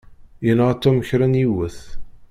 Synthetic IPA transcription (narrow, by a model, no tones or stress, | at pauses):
jənʁt̪ːuməçɾænjiwəθ